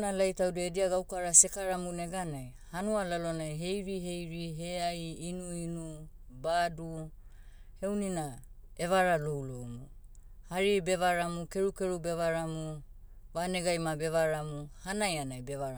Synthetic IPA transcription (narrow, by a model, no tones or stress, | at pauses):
nalajtawdediaɡawkaɾasekaɾamuneɡanaj | hanualalonajɦe̞jɾiɦe̞jɾiɦeajːnuinu | badu | he̞wnina | e̞βaɾalowlomuhaɾibe̞βaɾamukeɾukeɾubeβaɾamu | βaneɡajmabe̞βaɾamuhanajanajbeβaɾ